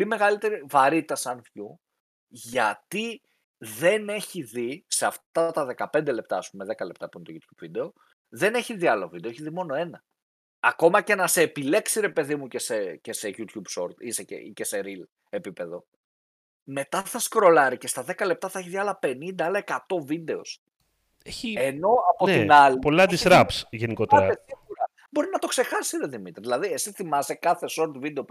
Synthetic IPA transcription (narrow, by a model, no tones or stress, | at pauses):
polime̞ɣɐlit̪e̞ɾivɐɾit̪ɐsɐnfçu | ʝɐt̪i | ðe̞ne̞çiðiseɐftt̪ɐt̪ɐðe̞kɐpe̞nd̪e̞le̞p̚t̪ɐːspume̞ðe̞kɐle̞p̚t̪ɐpunt̪oʝut̪ç̥ubvid̪e̞o̞ | ðe̞ne̞çiðiɐlovid̪eeçiðimo̞no̞e̞nɐ | ɐko̞mɐce̞nɐse̞ːpile̞ksiɾe̞pe̞ðimucesecese̞ʝut̪çubso̞ɾt̪isecḛceseɾil | e̞pipe̞ðo̞ | me̞t̪ɐθɐskɾo̞lɐɾice̞st̪ɐðe̞kɐle̞p̚t̪ɐθɐeçiðiɐlɐpe̞nind̪ɐɐlɐe̞kɐt̪o̞vid̪e̞o̞̰s | eçieno̞ɐpo̞t̪inɐlipolɐisɾɐpsʝeniko̞t̪eɾɐesiuɾɐ | bo̞ɾinɐt̪o̞kse̞xɐsiɾeðimit̪ɾðilɐðie̞siθimɐst̪ekɐθe̞so̞ɾt̪vid̪eo̞p